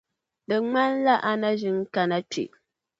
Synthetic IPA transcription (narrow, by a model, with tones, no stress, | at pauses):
dɨ˨ŋ͡ma˦n˦la˦ʔa˨na˦ʒi˦ŋ˦ka˨na˦tḭ˨ʔ